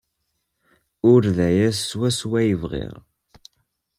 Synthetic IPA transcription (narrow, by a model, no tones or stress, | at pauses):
ʊɾðæjæsːwæswæjəvʁḭʁ